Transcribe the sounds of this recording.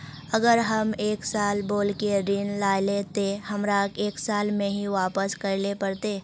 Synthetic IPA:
əɡəɾɦɐmeːksaːlboːlkeɾɪnlaːlet̪ehɐmɾakeːksaːlmẽɦiʋaːpəskɐɾlepɐɾt̪eː

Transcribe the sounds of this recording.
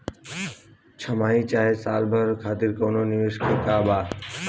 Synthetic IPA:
t͡ʃʰəmaːiːt͡ʃaːɦeːsaːlbʱəɾkʰaːt̪ɪɾkoːnoːnɪʋeʃkeːkaːbaː

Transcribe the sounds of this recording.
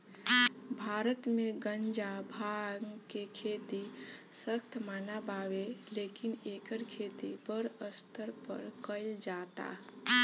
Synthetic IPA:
bʱaːɾət̪mẽɡənd͡ʒabʱaɡkekʰeːt̪isəkt̪ʰmaːnabaːweleːkineːkəɾkʰeːt̪ipəɾəst̪ʰəɾpə̰ɾkəɪld͡ʒaːt̪a̰

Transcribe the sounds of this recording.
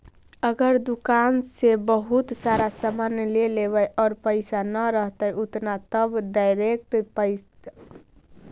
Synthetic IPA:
əɡəɾd̪ukansebəɦut̪saɾasəmənleleβəjʔɔːɾpəɪsanəɾəɦt̪əjʔut̪nat̪əbɖajɾek̚ʈpəɪs

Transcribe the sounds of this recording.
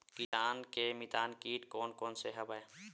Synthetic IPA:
kisaːnkemit̪aːnkiːʈkoːnkoːnseɦəbae

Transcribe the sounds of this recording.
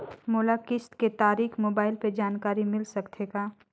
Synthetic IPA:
moːlakɪst̪ket̪aːɾiːxmoːbaːɪlped͡ʒaːnkaːɾimɪlsɐkt̪ʰeːɡaː

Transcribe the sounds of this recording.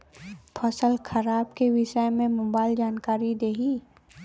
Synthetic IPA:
pʰəsəlkʰɐɾaːb̚keʋɪʃəjmẽmoːbaːɪld͡ʒaːnkaːɾid̪eːɦi

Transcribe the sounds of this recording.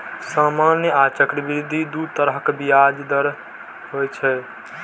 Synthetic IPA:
samanjəat͡ʃəkɾəbɾid̪ʱid̪ut̪əɾəɦkbijad͡ʒd̪əɾ | ɦojt͡ʃʰɛ

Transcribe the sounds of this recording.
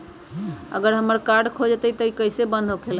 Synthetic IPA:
ə̰ɡəɾɦəməɾkaɾɖkʰod͡ʒt̪əjk̪əikəɪsebənd̪ʱɦokʰel

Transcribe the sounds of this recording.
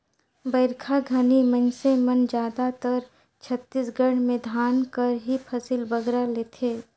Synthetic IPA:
bəɪɾkʰaɡʱanimɐnsemɐnd͡ʒaːd̪at̪əɾ | t͡ʃʰət̪ːisɡəɽ̤̃mẽd̪ʱaːnkəɾɦipʰɐsilbɐɡɾaleːt̪ʰeː

